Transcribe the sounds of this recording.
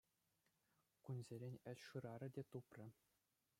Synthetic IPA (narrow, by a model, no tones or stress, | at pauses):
kunʲzʲeɾʲenʲɘ̆ɕʲʂɯɾɑɾɘ̆dʲet̪uprʲɘ̆